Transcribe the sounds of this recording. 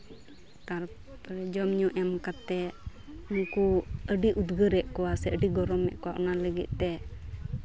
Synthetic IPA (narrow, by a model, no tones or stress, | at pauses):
t̪aɾ | pɾɛd͡ʒɔmɲuʔɛmkat̪ɛ | uŋkuəɖiʔud̪ɡəɾɛʔkɔwasɛəɖiɡɔɾɔmːɛ̰ʔkɔwa̰ʔɔnaləɡḭt̪̚ˀt̪ɛ